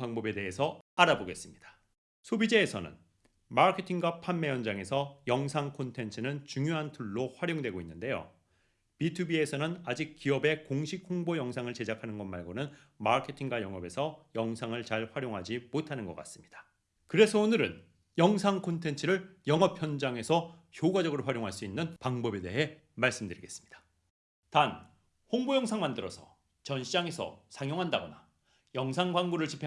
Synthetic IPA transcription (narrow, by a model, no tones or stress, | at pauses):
paŋbobe̞de̞ɦe̞sʰʌaɾaboɡe̞s͈ɯmɲid̥ḁ | sʰobid͡ʑeːsʰʌnɯ̰n | makʰetʰiŋɡwapʰanːe̞jʌnd͡ʑaŋe̞sʰʌjʌŋsʰaŋkʰontʰe̞nt͡ɕʰɯnɯnt͡ɕuŋjoɦantʰuɭːoɸwaɾjoŋdwe̞ɡoinːɯnde̞jo̰ | pitʰubie̞sʰʌnɯnad͡ʑik̚k͈iʌbe̞koŋɕʰik̚ʰːoŋbojʌŋsʰaŋɯɭt͡ɕe̞d͡ʑakʰanɯnɡʌnmaɭɡonɯn | makʰe̞tʰiŋɡwajʌŋʌbe̞sʰʌjʌŋsʰaŋɯɭt͡ɕaɭɸwaɾjoŋɦad͡ʑimotʰanɯnɡʌk͈as͈ɯ̥mɲid̥ḁ | kɯɾe̞sʰʌonɯɾɯ̰n | jʌŋsʰaŋkʰontʰe̞nt͡ɕʰɯɾɯɭjʌŋʌp̚ʰçjʌnd͡ʑaŋe̞sʰʌçjoɡad͡ʑʌɡɯɾoɸwaɾjoŋɦaɭs͈uinːɯnpaŋbʌbe̞de̞ɦe̞ | maɭs͈ɯmdɯɾiɡe̞s͈ɯ̥mɲid̥ḁ | tan | hoŋbojʌŋsʰaŋmandɯɾʌsʰʌ̰ | t͡ɕʌnɕʰid͡ʑaŋe̞sʰʌ̰sʰaŋjoŋɦandaɡʌna | jʌŋsʰaŋɡwaŋɡuɾɯɭt͡ɕipʰ